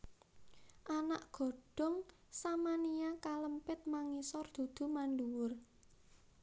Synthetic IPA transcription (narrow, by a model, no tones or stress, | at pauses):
ʔanaʔɡ̥o̤ɖ̥ɔ̤ŋ | samanijakaləmpɪt̪̚maŋisɔrd̪̥ṳd̪̥ṳmanɖuwʊr